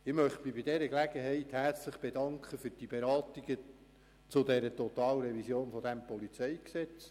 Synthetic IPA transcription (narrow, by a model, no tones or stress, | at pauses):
ɪmœχtmɪbɪd̥ɛɾəklæɡəɦɛɪthært͡sləχb̥edɑŋkχəfyɾd̥ibeɾɑːt̪iɡ̥ə | t͡sʊd̪ɛɾətɔtɑːləɾɛvisjoːnfɔd̥æmpɔlit͡sɛjksɛt͡s